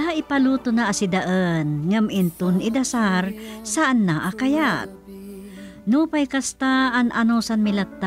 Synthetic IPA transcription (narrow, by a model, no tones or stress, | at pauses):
aɪpalut̪ʊnaʔːsɪd̪aʔənŋamʔɪnt̪ʊnɪd̪ɐsaɾsaʔanːaʔakajat̪̚ | nʊpajkast̪aːnʔanosanmɪlat̪ːa